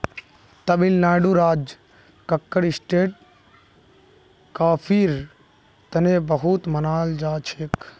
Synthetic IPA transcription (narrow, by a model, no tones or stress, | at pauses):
t̪ɐbilnaːɖuːɾaːd͡ʒ | kɐkːəɽɪsʈeːʈ̚ | kaːpʰiːɾ | t̪ɐneːbəɦut̪mɐnaːld͡ʒaːt͡ʃʰeːk